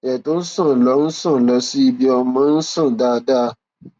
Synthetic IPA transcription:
jɛ˨to˦n̩˦sɔ̃˦˨lɔ˧˦n̩˦sɔ̃˦˨lɔ˨˦si˦i˧bi˦ɔ˧mã˨˦n̩˦sɔ̃˦˨daː˦˨da˦

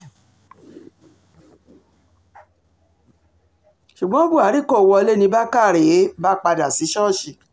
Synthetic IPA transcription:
ʃu˨ɡ͡bɔ̃˨˦bu˦˨a˨˦ɾi˦˨ko˦˨wɔ˧le˦nĩ˧˦ba˦ka˦˨ɾe˨˦ba˦k͡pa˧da˨si˨˦ʃɔ˦˨ʃi˨

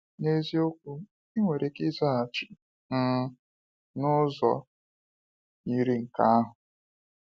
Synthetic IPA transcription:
ne˦zi˦o˦kʷu˦ | i˦ŋʷe˨ɾe˨kɪ˦za˦a˨t͡ʃɪ˨˦ | nʊ˦zɔ̰˨ | ɲi˦ɾi˦ŋ̩˨ka˦a˦ɦʊ˨

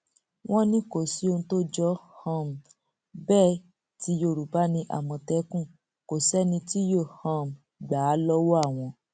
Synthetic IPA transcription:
w̃ɔ̃˦nĩ˦ko˨si˨˦o˧ñ̩˧to˦d͡ʒɔ˦hã˧˨m̩˨ | bɛː˦˨ | ti˨˦jo˧˨ɾu˨ba˨˦nĩ˧ʔa̰˨mɔ̃˧tɛ˨˦kũ˦˨ | ko˨sɛ˦nĩ˧ti˦jo˦˨hã˧˨m̩˨ | ɡ͡ba˨˦lɔ˦wo˦a˦˨w̃ɔ̃˧

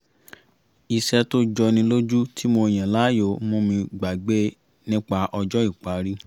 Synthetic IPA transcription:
i˨ʃɛ˧to˦d͡ʒɔ˧nĩ˧lo˦d͡ʒu˦tʰi˦mo˧˨j̃ã˨la˦jo˨mõ˧˦mĩ˧ɡ͡ba˨ɡ͡be˦ | nĩ˦k͡pa˧ʔɔ˧d͡ʒɔ˦i˦˨k͡pa˨˦ɾi˦

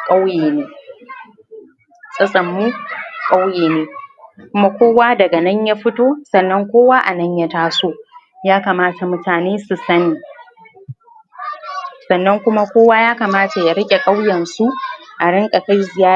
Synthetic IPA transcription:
kʼa˦wjeː˨neː˦ | sʼɐ˦sʼɐ˨mːu˦kʼa˦wjeː˨neː˦kʷʊ˦ma˦kʷoː˦waː˦dɐ˨ɡa˨nɐ˦ɲja˦ɸɪ˦toː˦sɐ˨nːɐ˦ŋkʷoː˦waː˦ʔa˨nɐ˦ɲja˦taː˦soː˦ | jaː˦kaː˨maː˦ta˨mʊ˦taː˨neː˦su˨sɐ˦niː˨ | sɐ˨nːɐ˦ŋkʷʊ˦ma˦kʷoː˦waː˦jaː˦kaː˨maː˦ta˨ja˨ɾɐ˦kʲʼe˨kʼa˦wjɛ˨nsu˦ʔa˨ɽɪ˦ŋkʼa˨ka˦zɪ˨jaː˦

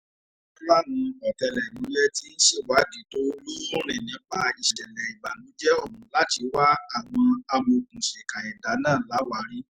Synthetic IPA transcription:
la˦nũ˧ɔ˨tɛ˧lɛ˨nĩ˨˦lɛ˦ti˦ʃe˦˨wa˨˦di˨˦to˦lu˦ɔ̃˦ɾ̃ĩ˨nĩ˨˦k͡pa˧i˧˨ʃɛ˨tɛ˨lɛ˨i˨ɡ͡ba˨nũ˨˦d͡ʒɛ˦ɔ˦˨ɾũ˨˦la˦ti˧wa˦a˦˨w̃ɔ̃˧a˧mo˧kũ˨ʃɛ˨ka˨ɛ˨da˨˦nãː˦˨la˨˦wa˨˦ɾi˦

